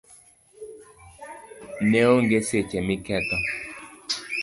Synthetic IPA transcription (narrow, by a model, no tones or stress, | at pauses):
neoŋɡeset͡ʃɛmikɛtɔ